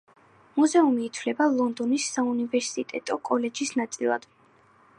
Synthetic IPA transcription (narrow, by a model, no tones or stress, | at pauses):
muzɛumiːt̪ʰlɛbalˠɔnd̪ɔnisːaunivɛɾsit̪ʼɛ̰t̪ʼɔkʼɔlɛd͡ʒisnat̪sʼilˠa̰d̪̥